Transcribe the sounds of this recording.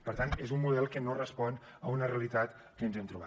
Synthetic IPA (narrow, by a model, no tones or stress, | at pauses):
pəɾt̪anezumːuðɛlˠkənorəspɔnəunəreəlit̪at̪ | kənzɛmt̪ɾuβa